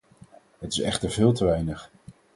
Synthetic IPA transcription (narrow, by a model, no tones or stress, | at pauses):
ɦətɪsɛ̰χtəɹvɪːlˠtəʋɛjnəχ